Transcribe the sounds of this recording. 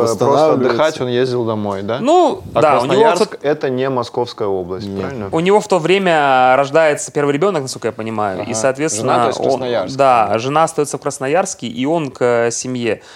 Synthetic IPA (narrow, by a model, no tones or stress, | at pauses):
st̪ɾosəɐd̪ʲːɨxatʲonjezʲdʲɪlˠd̪ɐmo̞jd̪anu | d̪aʊnʲɪvot̪okɛt̪ənʲɪmɐsko̞fskəjəo̞blˠəsʲt̚ʲpɾavʲɪlʲnəʊnʲɪvo̞ft̪o̞vɾʲemʲəɾɐʐd̪ajɪt̪sə̥pʲe̞rvɨjɾʲɪbʲo̞nəknɐskolkəjapənʲɪmajʊ̰ḭsɐːt̪vʲesvɪnːəo̰ad̪aʐɨnaɐst̪ɐjosəfkɾəsnɐjarskʲɪʔio̞nkəsʲɪmʲje̞